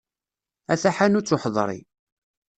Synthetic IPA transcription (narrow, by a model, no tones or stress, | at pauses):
æθaħanʊt͡sːʊħðˤɾˤḭ